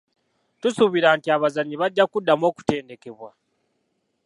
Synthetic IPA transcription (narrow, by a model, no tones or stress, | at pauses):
tusuβiɾaːntiaβazaɲːiβaɟːakudːamo̞ːku̥te̞ːnde̞ke̞βwa